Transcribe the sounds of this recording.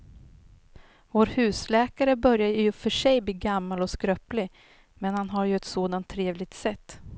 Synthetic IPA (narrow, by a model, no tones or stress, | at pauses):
voːɾhʉ̟ːslɛːkaɾəbœɾjaəjɵfœʂɛjbliːɡamːalɔskɾœplɪ | mɛnhanɦaɾjɵɛt̪soːd̪ant̪ʰːɾeːvlɪɡ̚t̪sɛt̪ː